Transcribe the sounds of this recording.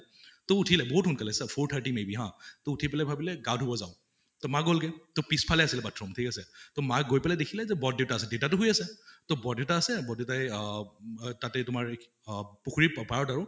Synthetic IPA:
tɔutʰilɛbɔɦutxʊnkalɛsɛpʰoɹtʰaɹtimebiɦãtoutʰipɛlɛbʱabilɛɡadɦobɔzaʊ | tɔmaɡolkɛtopispʰalɛasilɛbatʰːɹɔmtʰikasɛtɔmaɡojpɛlɛdekʰilɛzɛbɔdeʊtaːsɛdeʊtatʊɦojasɛtobɔdeʊtaːsɛbɔdetaj | tatɛtʊmaɹ | pukʰuɹipaɹɔtaɹʊ

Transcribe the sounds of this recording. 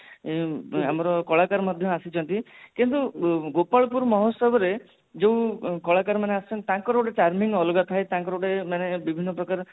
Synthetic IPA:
amɔɾɔkɔɭakaɾɔmɔd̪ʱjɔasit͡ʃʰɔnt̪ikint̪uɡopaɭɔpuɾmɔɦɔsɔbɔɾe | d͡ʒewkɔɭakaɾmaneasi̥t͡ʃʰɔnt̪t̪ãŋkɔɾʈet͡ʃaɾmiŋɡɔlɔɡat̪ʰaet̪ãŋkɔɾoʈemanebibʱinːɔpɾɔkaɾɔ

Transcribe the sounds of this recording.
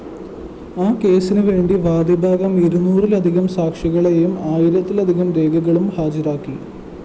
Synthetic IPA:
aːke̞ːsinɨʋe̞ːɳɖiʋaːd̪ibʱaːɡɐmiɾunːuːrilɐd̪ʱiɣɐmsaːkʂɐɣɐɭejumaːjiɾɐt̪ːilɐd̪ʱiɣɐmɾe̞ːɡɐɣɐɭumhaːd͡ʑɐɾaːkːi

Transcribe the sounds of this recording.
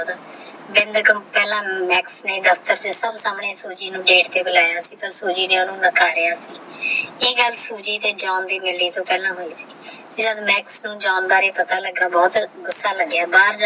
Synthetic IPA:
d̪ | bɪ̃nd̪kpɛːlãːmɛːksneːd̪əfʰt̪əɾt͡ʃəsəbsaːmɳeːsuːd͡ʒiːnũːɖeːʈt̪eːbəlaːjaːsiːpəɾsuːd͡ʒiːneːonũːnəkʰaːɾɪaːsiː | eːɡəlsuːd͡ʒiːt̪eːd͡ʒaːnd̪iːmɪlːiːt̪õːpɛːlãːɦoːiːsiː | k̪ed͡ʒəd̪mɛːksnũːd͡ʒaːnb̪aːɾeːpət̪aːləɡːaːbɔːt̪ɡʊsːaːləɡeaːbaːɾd͡ʒ

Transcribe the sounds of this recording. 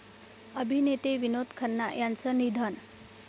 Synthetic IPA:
əbʱinet̪eʋinod̪kʰənːa̰jant͡sənid̪ʱən

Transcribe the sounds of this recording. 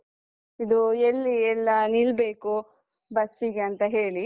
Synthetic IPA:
id̪uelːiɛlːɐnilbeːku | bɐsːiɡeɐnt̪ɐɦe̞ːɭi

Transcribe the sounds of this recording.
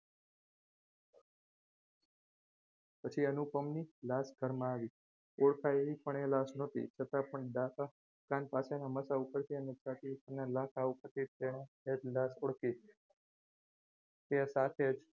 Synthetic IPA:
pət͡ʃʰiənupəmnilasɡʱəɾmãːʋi | oɽkʰaeʋipəɳ̃elasnot̪ḭt͡ʃʰət̪apəɳɖaka | kanpasenaməsaupəɾt̪iənet͡ʃat̪iənalãkʰaupəɾt̪it̪eñe | ed͡ʒlasoɽki | t̪esat̪ʰed͡ʒ

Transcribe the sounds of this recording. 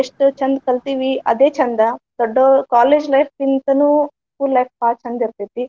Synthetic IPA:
eʂʈot͡ʃɐnd̪ɐkɐlt̪iːʋiɐ̰d̪eːt͡ʃɐnd̪ɐd̪̥ɐɖːokaːleːd͡ʒlɐjfʰpint̪ɐnu | skuːlːɐjp̚paːt͡ʃɐnd̪ɐɾt̪et̪i

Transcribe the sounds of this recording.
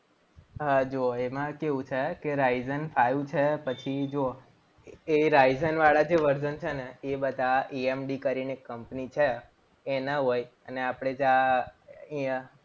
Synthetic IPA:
ɦəd͡ʒoemãkeʋũt͡ʃʰekeɾaizənfʰajũt͡ʃʰepət͡ʃʰid͡ʒo | eɾajzənʋaɭad͡ʒeʋəɾd͡ʒənt͡ʃʰeneebəd̪ʱaiemɖikəɾinekːəmpnit͡ʃʰeː | nəɦoj | əneapɽ̃ed͡ʒa | ĩə

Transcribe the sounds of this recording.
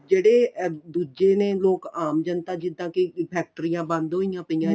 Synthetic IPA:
d͡ʒeːɽeːd̪uːd͡ʒeːnẽːloːkaːmd͡ʒənt̪aːd͡ʒɪd̪ãːkipʰɛːk̚ʈəɾiːjãːbə̃nd̪ɦoijãːpəijãː

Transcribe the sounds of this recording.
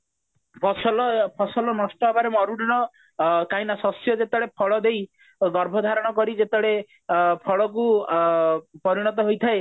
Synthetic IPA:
pʰɔsɔlɔpʰɔsɔlɔnɔsʈɔɦabaɾemɔɾuɽinɔ | kajnasɔsjɔd͡ʒet̪ɔɽepʰɔɭɔd̪ej | ɡɔɾbʱɔd̪ʱaɾɔɽ̃ɔkɔɾid͡ʒet̪ɔɽe | pʰɔɭɔk̬u | pɔɾiɽ̃ɔt̪̬ɔɦojt̪ʰae

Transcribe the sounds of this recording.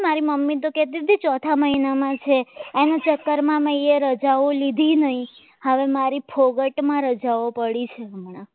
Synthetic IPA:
maɾiməmːit̪̬oket̪ibd̪ʱit͡ʃɔt̪ʰaməinamãt͡ʃʰeanat͡ʃəkːəɾmãmãieɾəd͡ʒaʋolid̪ʱinəɦĩ | həʋemaɾipʰoɡəʈmãɾəd͡ʒaʋopəɽit͡ʃʰeəmɳ̃a

